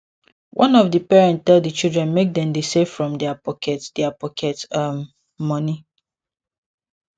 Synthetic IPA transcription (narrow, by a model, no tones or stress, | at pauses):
wʔɔ̃nɔvdəpɛɹɛ̃nttɛlddət͡ʃildɹɛ̃nmek̚dɛ̃mdesev̥fɹɔ̃mdɛapɔkʰɛtdɛapɔkʰɛtamː | ɔni